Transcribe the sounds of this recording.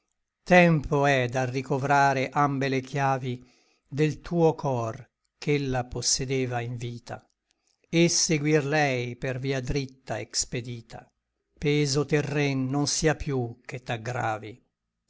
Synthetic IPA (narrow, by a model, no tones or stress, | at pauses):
t̪ɛmpoɛd̪arikovɾaːɾeʔambelekʰjaːvi | d̪elt̪ʰuːokʰɔr | kʰelːaposːed̪eːvaiɱviːt̪a̰ | eseɡwirlɛjperviːad̪ɾit̪ːaḛksped̪iːt̪ʰa̰ | pɛːzot̪erːɛnːonsiːapʰjuket̪ːaɡɾa̰ːvi